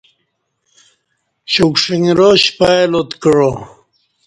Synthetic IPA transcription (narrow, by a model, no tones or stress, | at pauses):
ɕukʂiŋɾoɕpaelot̪kəɻo